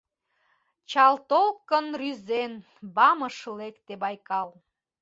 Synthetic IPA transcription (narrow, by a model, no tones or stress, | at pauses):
t͡ɕɑlt̪olkənryzen | bɑməʃəlekt̪ebɑjkɑl